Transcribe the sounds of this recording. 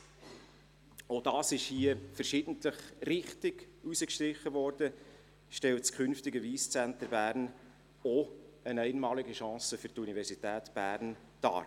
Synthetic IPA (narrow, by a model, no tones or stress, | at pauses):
od̥ɑːsɪʃhiːəfəɾʃɪd̥ən̩tləχrɪχtɪɡ̥ | usəkʃtɾɪχːəvɔɾd̥ə | ʃtɛltskʰχʏnftɪɡəviːst͡sæntəbæːɾn | oənɛɪnmɑːlɪɡəʃɑ̃ːsəfʏɾtunivɛrsitɛːtb̥æːɾn | d̥ɑ̰ːɾ